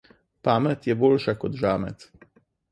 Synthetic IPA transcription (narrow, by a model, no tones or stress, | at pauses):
paːmɛt̪jɛboːlʃakɔt̪ʒaːmɛ̰t̪